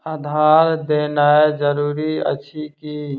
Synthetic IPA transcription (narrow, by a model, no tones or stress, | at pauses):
ad̪ʱaːɾd̪eːnaed͡ʒəɾuːɾiə̰t͡ʃʰiki